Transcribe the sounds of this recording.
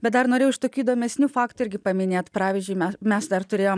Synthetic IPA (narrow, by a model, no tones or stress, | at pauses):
bʲɛt̪d̪ɐrnoːɾʲeːjʊɪʃt̪oːkʲuːd̪oːmʲɛsʲnʲuːfɑːkt̪ʊɪɾʲɡʲɪpɐmʲɪnʲeːt̪pɾɑːʋʲɪzʲd͡ʒʲʊɪmɛmʲɛsd̪ɐrt̪ʊɾʲeːjoːm